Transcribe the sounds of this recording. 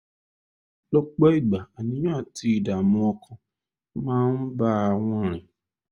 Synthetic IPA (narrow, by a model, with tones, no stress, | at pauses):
lɔ˦k͡pɛ˦i˦˨ɡ͡ba˨a˨nĩ˨˦jã˦a˦˨ti˧˦i˨da˨mũ˧ɔ˧kʰã˨ | mãː˦n̩˦ba˦a˧˨w̃ɔ̃˧˨ɾ̃ĩ˨